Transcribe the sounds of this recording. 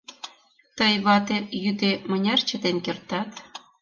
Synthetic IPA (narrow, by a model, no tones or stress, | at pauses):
t̪əjβɑt̪ejyd̪emənʲɑrt͡ɕət̪enkert̪ɑt̪